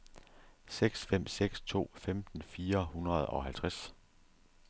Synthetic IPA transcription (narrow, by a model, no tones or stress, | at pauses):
seɡ̥sfem̰seɡ̥st͡sʰo̝̰ːfemd̥n̩fiːɐhunʁɐð̞ˠɒ̽ɦælt͡sʰʁaæs